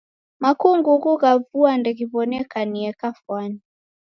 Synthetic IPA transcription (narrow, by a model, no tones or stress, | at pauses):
makuŋɡuɣuɣavuandɛɣiβɔnɛkaniɛkafwani